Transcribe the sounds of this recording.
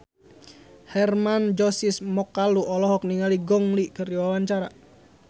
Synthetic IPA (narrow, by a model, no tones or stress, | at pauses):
hɛrmand͡ʒɔsismɔkːaluʔɔlɔɦɔk̚niŋaliɡɔŋlikəriwawaɲt͡ʃaɾa